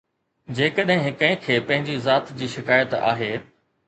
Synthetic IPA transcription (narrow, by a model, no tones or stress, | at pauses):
d͡ʑeːkəɗɦɪ̃ɦɪkə̃ɪ̃kʰeːpɐ̃ɦɪ̃ɲd͡ʑizaːt̪d͡ʑiːʃɪkaːjət̪a̰ːɦeː